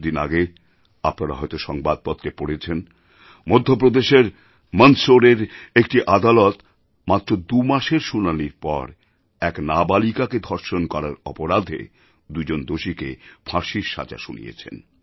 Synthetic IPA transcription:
d̪ina̰ɡe | apnaɾa̰ɦɔet̪oʃɔŋbad̪̚pɔt̪ːɾepoɽet͡ɕʰen | mod̪ʱːop̬ɾod̪eʃeɾ | mənsoɾeɾek̚ʈiʔad̪alot̪ | mat̪ːɾod̪umaʃeɾʃunaniɾpɔ̰ɾ | ɛknabalikaked̪ʱɔɾʃonkɔɾaɾɔ̰poɾad̪ʱḛ | d̪ud͡ʑond̪oʃikḛfʰaʃiɾʃa̰d͡ʑa̰ʃunḭjḛt͡ɕʰḛn

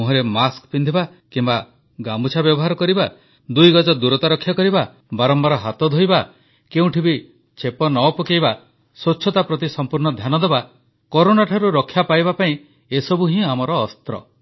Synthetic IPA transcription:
uɦɔɾemaskpind̪ʱiba | kimba | ɡambut͡ʃʰabjɔbɔɦaɾɔkɔɾiba | d̪ujɡɔd͡ʒɔd̪uɾɔt̪aɾɔkʰːjakɔɾiba | baɾɔmbaɾɔɦat̪ɔd̪ʱojba | keũʈʰibi | t͡ʃʰepɔnɔɔpɔkejba | sot͡ʃʃʰɔt̪apɾɔt̪isɔmpuɾɳɔd̪ʱjanɔd̪eba | kɔɾonaʈʰaɾuɾɔkʰːjapajbapaĩ | esɔbuɦĩamɔɾɔːst̪ɾɔ̰

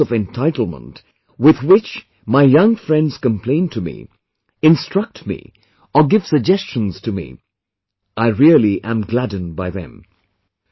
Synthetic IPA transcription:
ʌvɨ̃ntʰaɪɾl̩ˠmə̰̃nt | wɪðwɪt͡ʃ | maɪjʌ̃ŋfɹɛ̃ndz̥kə̃mpʰl̥ẽɪ̃ntʰɨmḭ | ɨ̃nstɹ̥ʌk̚tmḭ | əɡɪv̥sɨɡ̚d͡ʒɛst͡ʃə̃n̩z̥tʰɨmḭ | aɪɹilˠiʔɨ̃mɡlædⁿn̩baɪðɨ̰̃m

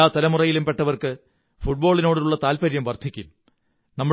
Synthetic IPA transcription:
aːt̪ɐlɐmurɐjilumpe̞ʈːɐʋɐrkɨ | fuʈ̚bo̞ːɭinoːɽiuɭːɐt̪aːlpɐɾjɐmʋɐrd̪ʰʱikʲːṵm | nɐmːu

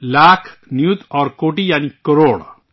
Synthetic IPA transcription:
lakʰnjut̪ɔɾkoʈijanikəɾoɽ

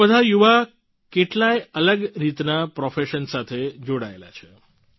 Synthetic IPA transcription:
əd̪ʱajuʋa | keʈlaeələɡɾit̪napɾɔfeʃənsat̪ʰed͡ʒoɽaḛla̰t͡ʃʰe

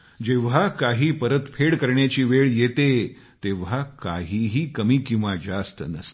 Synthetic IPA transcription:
d͡ʑeʋ̤akaɦiːpəɾət̪fʰeɽkəɾɳjat͡ɕiːʋeɭjet̪e | t̪eʋ̤ɦakaɦiːɦiːkəmiːkĩw̃ʋad͡ʑast̪ənə̰st̪

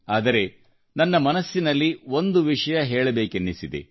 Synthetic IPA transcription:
aːd̪ɐɾe̞ | nɐnːɐmɐnɐsːinɐlːio̞nd̪uʋiʂɐjɐɦeːɭɐbe̞ːkenːisid̪ḛ

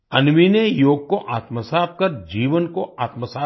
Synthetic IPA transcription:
ɐnʋinejoːɡ̚koʔaːt̪məsaːb̚kɐɾd͡ʒiːʋənkoʔaːt̪məsaː

